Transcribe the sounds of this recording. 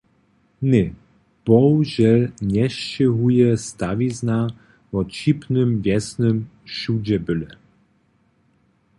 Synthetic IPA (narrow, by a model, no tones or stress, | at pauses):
nɛ | b̥ɔwʒɛlɲɛʃt͡ɕɛɦujɛst̪avizna | vɔt͡ɕipnɨmvjɛsnəmʃud͡ʑɛbɘlɛ